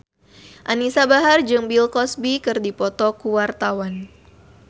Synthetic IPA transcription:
ʔanisabaɦard͡ʒɨŋbilkɔsbikɨrdipɔt̪ɔkuwart̪awan

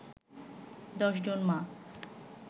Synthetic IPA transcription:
d̪ɔʃd͡ʑonmã

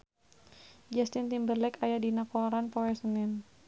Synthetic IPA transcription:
d͡ʒɛst̪int̪imbərlɛkajadinakoaɾanpɔɛsənɪn

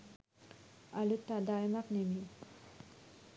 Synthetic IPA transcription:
alut̪ːad̪ajmaqnemi

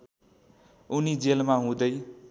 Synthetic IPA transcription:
unid͡zelmaɦũd̪ʌj

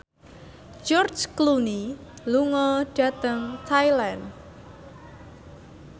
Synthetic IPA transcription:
d͡ʒɔr̥d͡ʒkluni | luŋɔɖ̥ä̤t̪əŋt̪ʰajlan

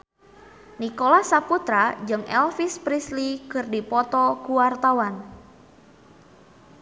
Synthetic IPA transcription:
nikolasaput̪ɾad͡ʒɨŋʔɛ̰lfispɾislikɨrdipɔt̪ɔkuwart̪awan

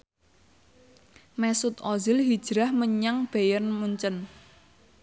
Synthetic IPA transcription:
mɛsʊt̪ɔzɪlɦid̥ʒ̥ɾahməɲaŋb̥ejənmuɲt͡ʃən

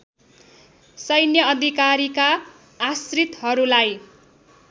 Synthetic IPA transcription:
sʌjnjʌːd̪ʱikaɾikaː | srit̪ɦʌɾulaj

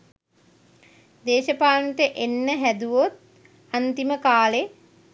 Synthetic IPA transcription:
d̪eːʃəpaːnəʈəʔenːəɦæd̪uʋot̪̚ | ant̪iməkaːle

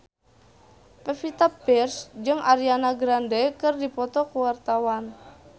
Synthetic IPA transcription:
pɛfit̪apirsd͡ʒɨŋaɾianaɡɾandɛkɨrdipɔt̪ɔkuwart̪awan

